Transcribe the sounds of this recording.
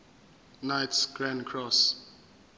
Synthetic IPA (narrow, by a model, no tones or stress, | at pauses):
najtsɡɹãnkʰɹɔs